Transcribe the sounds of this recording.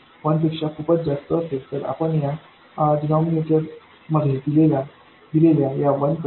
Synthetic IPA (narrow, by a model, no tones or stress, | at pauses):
ʋənp̬ekʂakʰuːpət͡sd͡zast̪əːt̪et̪əɾa̰pəɳja | dnɔmineʈəɾ | məd̪ʱːed̪ilelja | d̪ileljajaʋənkə